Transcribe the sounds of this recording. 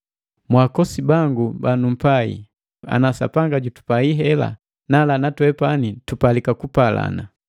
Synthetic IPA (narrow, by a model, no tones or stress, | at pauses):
mwakɔsibaŋɡubanum̩paḭ | a̰nasa̰paŋɡaɟutu̥paiɦɛla̰ | nalanatwɛpanitupalikakupala̰na